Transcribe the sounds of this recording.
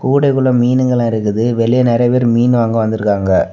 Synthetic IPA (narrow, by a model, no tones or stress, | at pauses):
kuːɽɐɪkɯɭɐmiːnɯŋɡɐɭãːɪɾɯkːɯðɯʋɛɭɪjɐnɪɾɐjɐpeːɾɯmiːnʋaːŋɡɐ̃ʋɐnd̪ɪɯɾɯkːaːŋɡɐ